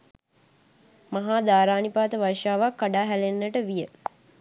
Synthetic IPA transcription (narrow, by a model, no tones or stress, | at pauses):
maɦaːd̪aːɾaːnipaːt̪əʋarʂaːʋakːaɖaːɦælenːəʈəʋijə